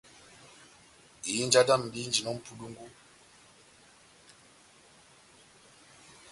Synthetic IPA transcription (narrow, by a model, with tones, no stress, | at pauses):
i˨˦nd͡ʒa˦da˦m̩˨ɗi˦nd͡ʒi˨nɔ˦m̩˦pʰu˦ɗu˦ŋɡu˦